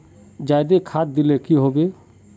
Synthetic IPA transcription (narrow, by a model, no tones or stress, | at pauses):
d͡ʒajd̪ekʰaːt̪̚d̪ɪlekiɦobe